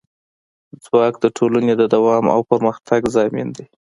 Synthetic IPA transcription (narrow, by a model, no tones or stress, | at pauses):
d͡zwɑk̚d̪əʈʰolaned̪əd̪awɑma̰wpəɾməxt̪ʰaɡzɑmind̪e